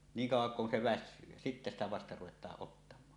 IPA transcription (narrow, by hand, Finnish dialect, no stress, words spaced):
niːŋ kɑuwˑɑŋ kun se ʋæsˑyː jæ sitːæ stæ ʋɑstɑ ruwetˑɑːʔ ʔotːɑmˑɑː